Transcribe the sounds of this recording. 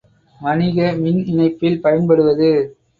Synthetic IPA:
mɐnɪɣɐmɪnɪnɐɪpːɪlpɐjɐnpɐɽɯʋɐðɯ

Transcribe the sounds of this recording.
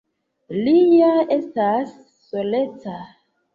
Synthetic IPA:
lijae̞stasː | oleta

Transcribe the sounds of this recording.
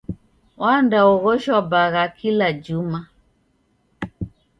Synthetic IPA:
wandaɔɣɔʃwabaɣakilad͡ʒuma

